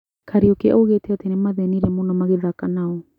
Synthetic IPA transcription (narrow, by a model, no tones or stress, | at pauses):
kʰaɾiokeaʔoɡeteatenemaðeniɾemunamaɡeðakanaw